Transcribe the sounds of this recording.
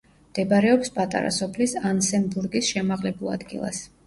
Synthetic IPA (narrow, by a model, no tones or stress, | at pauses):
md̪̥ɛbaɾɛɔpspʼat̪ʼa̰ɾa̰sɔpʰlisansɛmbuɾɡisʃɛmaʁlɛbulˠa̰d̪ɡḭlˠa̰s